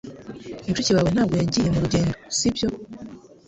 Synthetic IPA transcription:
int͡ʃuciwawen̥aːɡoaɲɟijemuɾuɟe̞ːndosibjo̞

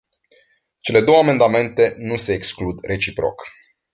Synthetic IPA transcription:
t͡ʃe̞le̞d̪o̞wəame̞nd̪ame̞nt̪e̞nuse̞ːksklud̪re̞t͡ʃipɾo̞̰k

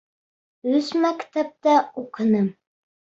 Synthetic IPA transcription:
ɵzmækt̪æp̚t̪æuqɤ̆nɤm

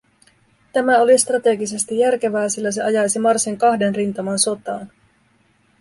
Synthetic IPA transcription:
t̪æmæo̞list̪rɑt̪e̞ɡise̞st̪ijːærk̟e̞ʋæːsilːæse̞ɑjɑjsimɑrsiŋkɑhde̞nrint̪ɑmɑnso̞t̪ɑ̰ːn

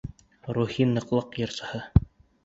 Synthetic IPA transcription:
ɾuhinːɤ̆qlˠɤqjɤ̆ɾsɤ̆hɤ

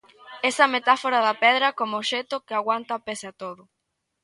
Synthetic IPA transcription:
esɐmet̪afoɾaðɐpɛðɾɐkomoʃet̪ʊkɪaɣwant̪ɐpesat̪oðʊ

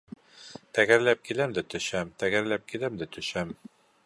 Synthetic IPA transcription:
t̪æɡæɾlæp̚kilæmd̪æt̪ɵ̆ʃæmt̪æɡæɾlæp̚kilæmd̪æt̪ɵ̆ʃæm

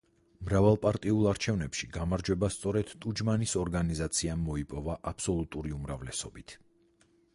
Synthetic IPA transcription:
mɾavalˠpʼaɾt̪ʼiulˠaɾt͡ʃʰɛvnɛpʃiɡamaɾd͡ʒwɛbast̪sʼɔɾɛd̪̥t̪ʼud͡ʒmanisɔɾɡanizat̪sʰiamːɔipʼɔvaʔapʰsɔlˠut̪ʼuɾiumɾavlɛsɔbit̪ʰ

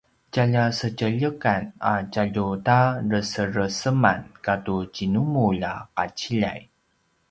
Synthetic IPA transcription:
caʎasəcəʎəkana̰caʎutarəsəɾəsəma̰nkatucinumulaqat͡ɕiʎa̰j

